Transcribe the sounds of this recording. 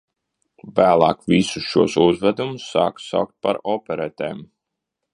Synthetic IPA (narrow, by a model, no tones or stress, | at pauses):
væːlˠɑːkvisusʃuɔsuzvæd̪umusːaːkssa̰wk̚t̪̚pa̰ɾɔpʲɛɾɛt̪ḛːm